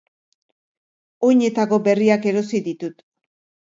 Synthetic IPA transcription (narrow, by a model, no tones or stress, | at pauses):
ojɲe̞t̪ako̞be̞riake̞ɾo̞siðit̪ut̪